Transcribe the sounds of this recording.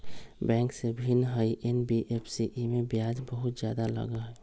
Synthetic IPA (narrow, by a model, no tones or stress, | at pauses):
bɛ̃ːŋksebʱinɦəiʔenbiʔepʰsiʔimẽbjaːd͡ʒbəɦʊt̪d͡ʒjaːd̪alə̰ɡəɦɛ